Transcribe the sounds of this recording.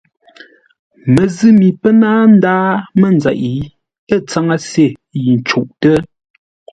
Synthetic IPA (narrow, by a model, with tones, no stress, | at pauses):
mə˨zɨ˦mi˨pə˦naː˦n̩˦daː˦mə˦˨n˨d͡za̰˨ʔi˨˦ | ə˦˨t͡sa˦ŋa˦se˦˨ji˨n̩˨t͡ʃu˨ʔtə˦